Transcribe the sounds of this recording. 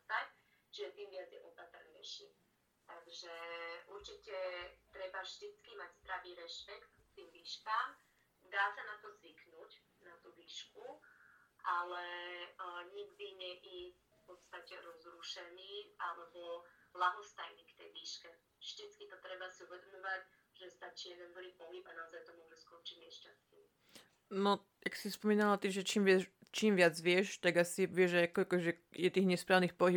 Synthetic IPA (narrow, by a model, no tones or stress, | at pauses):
sact͡ʃiʒɛt̪iːmʋɪad͡zjɛ̰ʔɔpat̪rɲɛ̰jʃi | t̪aɡʒɛʔuɾt͡ʃicɛt̪ɾɛbaʒd̪it͡skimaɟzb̪ɾaʋiːɾɛʃpɛkt̪̚kt̪iːmʋiːʃkaːm | d̪aːsanat̪ɔzʋiknuːc | nat̪uʋiːʃku | ʔalɛ | ɲiɡd̪iɲɛʔi | fpɔt̪st̪acɛɾɔzɾuʃɛniːʔa̰lɛbɔblaɦɔst̪ajniːkt̪ɛjʋiːʃkɛ | ʒd̪itt͡skit̪ɔt̪ɾɛbasiuʋɛd̪ɔmɔʋac | ʒ̥ɛst̪at͡ʃiːjɛd̪ɛnd̪liːpɔɦibanaɔzajt̪ɔmʊɔʒɛskɔnt͡ʃimɪɛʃcast̪̚ɛ | nɔ | jaksispɔmiːnalat̪iʒɛt͡ʃiːmʋɪat͡ʃiːmʋɪad͡zʋɪɛʃt̪aɡasiʋɪɛʒaakɔkɔʒɛjɛt̪iːɣɲɛspɾaːʋniːxpɔɦi